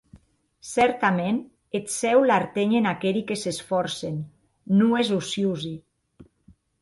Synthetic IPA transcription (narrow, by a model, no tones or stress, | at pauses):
sɛɾt̪amen | et̪sɛwlaɾt̪eɲenakeɾikesesfɔɾsen | nuezusjuzi